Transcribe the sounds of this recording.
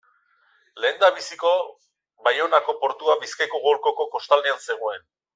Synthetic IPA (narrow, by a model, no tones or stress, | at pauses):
le̞ːnd̪aβ̞isiko̞ | βajo̞nako̞po̞ɾt̪uaβiskajkoɣawɾkoko̞ko̞st̪ald̪eanse̞ɣ̞o̞e̞n